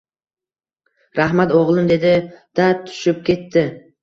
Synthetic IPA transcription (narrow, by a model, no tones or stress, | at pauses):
ɾaɦmat̪oʁlˠɪnd̪e̞d̪ɪd̪̥at̪ʰːʊ̥ʃɪp̚kʲʰe̞t̪ʰːɪ